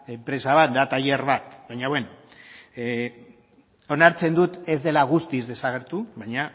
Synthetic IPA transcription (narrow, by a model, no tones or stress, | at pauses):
empɾe̞saβ̞at̪̚d̪at̪aje̞rβat̪βajɲaβwen | o̞naɾt͡se̞nd̪ut̪e̞zðe̞laɣ̞ust̪izðe̞saɣ̞e̞ɾt̪uβajɲa